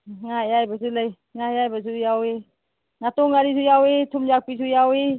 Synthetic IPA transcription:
ŋajajbazulaj | ŋajajbazujawe | ŋatɔŋaɾisujawetʰumzak̚pisujawe

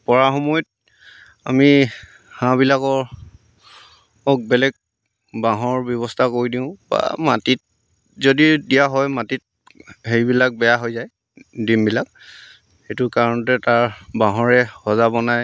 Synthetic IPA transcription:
pɔɹaxɔmɔjt̚ | a̰mi | hãbilakɔɹ | ɔk̚bɛlɛk̚ | baɦɔɹbjɔβɔstʰakoɹidiʊ̃ba̰matit̚ | zodidijaɦɔjmatit̚ | hejbilak̚bɛjaɦojzaj | dimbilak̚ | xejtʊkaɹɔnɔtɛtaɹbaɦɔɹɛhɔzabɔnaj

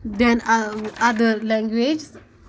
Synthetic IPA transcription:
d̪ɛ̃nad̪əlɛ̃ŋɡwed͡ʒs

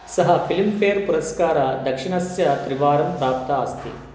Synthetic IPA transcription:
sɐɦɐpʰilmfeːɾpuɾɐskaːɾɐd̪ɐkʂiɳɐsjɐt̪ɾiʋaːɾɐmpɾaːpt̪ɐast̪ʰḭ

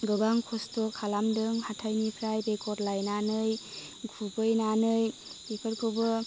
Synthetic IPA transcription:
ɡɯbaŋkʰɔstɔkʰalamdɯŋhatʰajnikʰɾajɾekʰɔdlajnanɯj | ɡʱubɯjnanɯjikʰɯɾkʰɯwbɯ

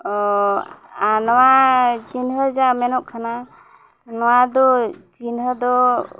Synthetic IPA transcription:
ɔ | anɔwad͡ʒinɦəd͡ʒamɛnɔk̚kʰana | nɔwad̪ɔd͡ʒinɦəd̪ɔ

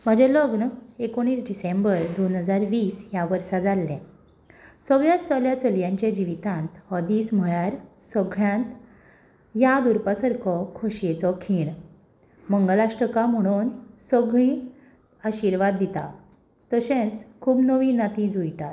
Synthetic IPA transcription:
m̤əd͡ʑɛ̃ləɡnəekoɽ̃iːsɖisembəɾd̪onɦəd͡zaɾʋiːsjaʋəɾsad͡zalːɛ̃ | səʋjat̪t͡səljat͡səljãɲt͡ɕẽd͡ʑiʋit̪ãnt̪hɔd̪iːsm̤əɭaɾsəɡɭãnt̪ | jad̪uɾpəsəɾkʰɔkʰoɕjet͡sɔkʰiːɳ | məŋɡlaʂʈəkam̤əɽ̃unsəɡɭĩ | aɕiɾʋad̪ːit̪a̰ | t̪əɕẽnt͡skʰuːbnəʋiːnat̪ĩd͡zujt̪a

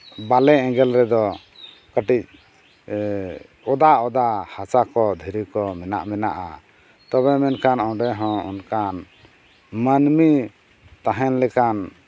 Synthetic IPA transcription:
balɛɛ̃ɡɛlɾɛd̪ɔ | kəʈic̚ | ɔd̪aʔɔd̪ahat͡ʃakɔd̪ʱiɾikɔmɛna̰ʔmɛnaʔa̰ | t̪ɔβɛmɛnkanɔ̃ɖɛɦɔ̃ṵnkan | mənmi | t̪aɦɛnlɛkan

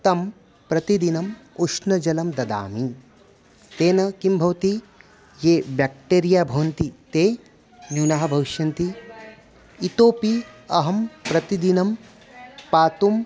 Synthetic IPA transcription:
t̪ɐm | pɾɐt̪id̪inɐmuʂnɐd͡ʒɐlɐmd̪ɐd̪a̰ːmi | t̪eːnɐkimbʱɐʋɐt̪i | jeːbjak̚ʈeːɾijaːbʱɐʋɐnt̪it̪eː | njuːnaɦɐ̆bʱɐʋiʃjɐnt̪i | it̪oːpiɐɦɐmpɾɐt̪id̪inɐm | paːt̪um

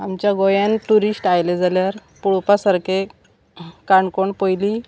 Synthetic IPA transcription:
amt͡ɕjaɡojãnʈuɾisʈajled͡zaljaɾpuɭpasəɾke | kaɳkoɳpəjli

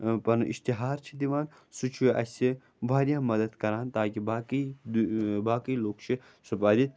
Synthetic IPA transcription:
pɐnḭst̪iɦaːɾt͡ʃʰid̪iʋaːn | sut͡ʃʰuʔɐ̰si | bʱaːɾjãːmɐd̪ɐd̪kɐɾaːnt̪aːkibaːki | baːkiːloːkt͡ʃʰi | sɐpaːd̪it̪

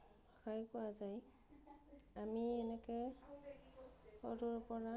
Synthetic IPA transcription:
ɔkajkʊazaj | amiɛnɛkɛ | ɔ̰duɹpɔɹa

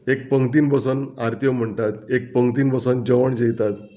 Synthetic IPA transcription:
ek̚pəŋɡt̪iːnbəsənaɾt̪jəm̤əɳt̪at̪ek̚pəŋɡt̪̬iːnbəsənd͡ʑəʋəɳd͡ʑejt̪at̪

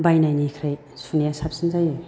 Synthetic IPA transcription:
bajnajnikʰɾaj | sunijasap̚sɯnzaj

